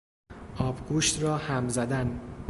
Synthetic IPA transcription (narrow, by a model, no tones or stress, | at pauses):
ʔɒːbɡuʃt̪ɾɒːhæmzæd̪æn